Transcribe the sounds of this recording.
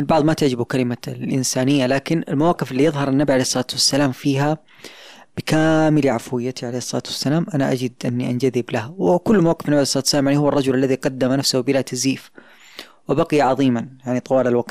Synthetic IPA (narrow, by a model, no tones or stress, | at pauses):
mɪlbɑʕðˤmat̪aʕd͡ʒɪbukalɪmalʔɪnsaːnɪjːalaːkɪnɪ̰lmawaːqɪfɪlːijɨðˤɦɑɾˤanːabiʕaleːhsˤːɑlaːt̪wasːalaːmfiːɦa | b̥ɪkaːmɪliʕafwɪjːat̪ʰiʕaleːhɪsˤːɑla̰ːt̪wḁsːalaːmʔanaʔad͡ʒɪd̪ʔɪnːiʔand͡ʒaðɪblahwɪkʊlːmawaːqɪfnːabiʕaejsˤɑːt̪wsːalamʕaʕnihʊwːɑrˤːɑd͡ʒʊlʔalːaðiqɑd̪ːamanafsahbɪlat̪aziːf | wɪbaqɪjaʕɑðˤiːmanjaʕnit̪ˤɑwaːlalwaqt̪